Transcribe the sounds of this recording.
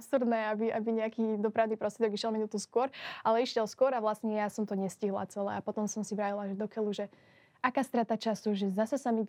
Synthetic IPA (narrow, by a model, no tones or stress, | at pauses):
psuɾd̪nɛabiʔabiɲɛakiːd̪ɔpɾaʊnipɾɔst̪ɾʲɛd̪ɔɡiʃjɛlˠminut̪uskʊɔɾʔalɛiʃjɛlˠskʊɔɾaʋlasɲɛjasɔmt̪ɔɲɛsciɦla̰t͡sɛlɛ̰apɔt̪ɔmsɔmsiʋɾaːjilˠaʒɛd̪ɔkɛluʒɛ | ʔakaːst̪ɾat̪at͡ʃasuʒɛzasɛsami